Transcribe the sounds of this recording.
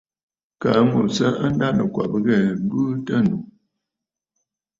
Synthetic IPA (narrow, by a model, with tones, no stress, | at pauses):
ka˨˦ŋu˨sə˦ə˦n̩˦da˦nə˨kwa̰˨pɣɛ˦˨˦bɨ˦tə˦˨nu˨